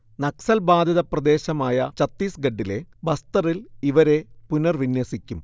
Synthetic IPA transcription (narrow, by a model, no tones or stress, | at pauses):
nɐksɐlbaːd̪ʱɐðɐprɐd̪e̞ːɕɐmaːjɐt͡ɕɐt̪ːiːsɡɐɖːile̞bɐst̪ɐriliʋɐɾe̞punɐrʋinjɐsikʲːum